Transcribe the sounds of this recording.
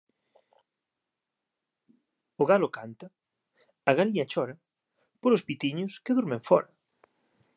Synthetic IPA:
ʊɣalʊkant̪ɐ | ɐɣaliɲɐt͡ʃɔɾɐ | poɾospit̪iɲʊskeðuɾmẽɱfɔɾɐ

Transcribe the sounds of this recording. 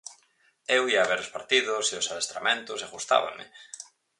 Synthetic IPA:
ewiaːβeɾospaɾt̪iðʊsiosaðest̪ɾamẽnt̪osaɣust̪a̰βa̰mɪ̰

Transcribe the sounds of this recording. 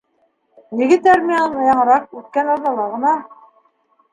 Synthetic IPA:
niɡɘt̪æɾmʲiɑnɤnɑjɑɴɤ̆ɾɑq̚ʉt̪̚kænɑɾðɑlˠɑʁɤ̆nɑ

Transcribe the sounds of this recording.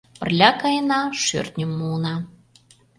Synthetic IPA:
pə̰̆rlʲɑkɑjənɑʃø̰rt̪nʲəmːunɑ

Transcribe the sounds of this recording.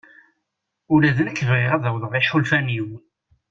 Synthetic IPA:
ʊlæðənækːəvʁɪʁæðæwðˤʁˤeħulfæniw

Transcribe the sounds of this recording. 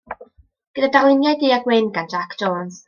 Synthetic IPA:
ɡ̥ədadalˠɪnjajdiːaɡwɪnɡand͡ʒakʰoːns

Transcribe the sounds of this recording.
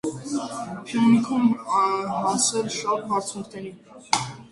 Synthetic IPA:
pʰjɔnikʰum | ɦɑsɛlʃɑpɦɑɾt͡sʰuŋkʰnɛɾi

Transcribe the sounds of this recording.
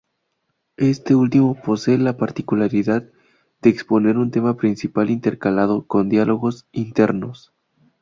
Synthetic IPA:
e̞st̪e̞ult̪imo̞po̞se̞ːlapaɾt̪ikulaɾiðað | d̪̥eːkspo̞ne̞ɾunt̪e̞mapɾinsipalint̪e̞ɾkalaðoko̞nd̪jalʔo̞ɣo̞sint̪e̞ɾno̞s

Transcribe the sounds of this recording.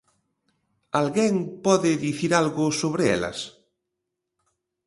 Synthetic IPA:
alɣɛŋpɔðɪðiθiɾalɣʊsoβɾeɛ̰lɐ̰s

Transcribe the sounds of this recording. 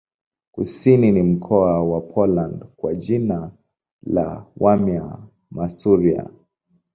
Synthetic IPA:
kusininim̩kʰɔawapʰɔlandkwad͡ʒina | la̰wamja | masuɾia̰

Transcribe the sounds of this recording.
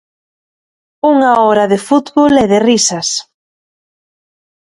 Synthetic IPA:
uŋaɔɾaðɪfut̪βolɛðɪrisɐs

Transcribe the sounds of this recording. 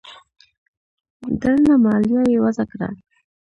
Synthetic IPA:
d̪əlamɑljɑjewazakɾa̰

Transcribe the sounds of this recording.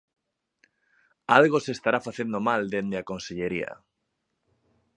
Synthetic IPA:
alɣosest̪aɾafaθend̪omald̪end̪eakonseʎeɾia̰

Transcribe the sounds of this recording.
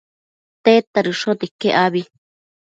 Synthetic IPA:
t̪et̪aɾɨʂot̪ikeʔaβi

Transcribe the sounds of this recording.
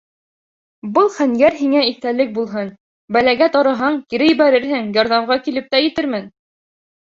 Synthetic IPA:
bɤlˠχæŋɡæɾɦiŋæiθt̪ælɘk̚bulˠɦɤn | bælæɡæt̪ɑɾɑ̆ɦɑɴkiɾɘjiβæɾɘɾɦɘŋjɑɾðɑmʁɑkilɘp̚t̪æjɘ̆t̪ɘɾmɘn

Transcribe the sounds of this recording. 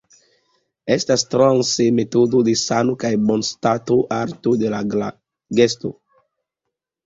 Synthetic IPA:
est̪ast̪ɾansemet̪od̪od̪esanokajbonst̪at̪oʔaɾt̪od̪ela | ɡest̪o

